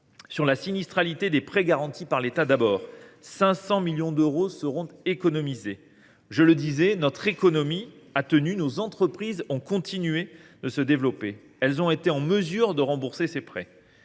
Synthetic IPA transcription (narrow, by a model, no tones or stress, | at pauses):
syʁlasinist̪χalit̪ed̪epχɛɡaʁɑ̃t̪ipaʁlet̪ad̪abɔːʁsɛ̃sɑ̃miljɔ̃d̪øʁosəʁɔ̃t̪ekɔnɔmize | ʒələd̪izɛnɔt̪χekɔnɔmiat̪ənynozɑ̃t̪χəpχizɔ̃kɔ̃t̪inɥed̪əsəd̪evlɔpe | ɛlzɔ̃et̪eɑ̃məzyʁd̪əʁɑ̃buʁsesepχɛ